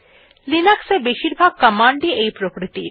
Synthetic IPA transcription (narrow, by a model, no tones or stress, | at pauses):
linəksebeʃiɾbʱaɡ̚kəmaɳɖiejpɾokɾit̪i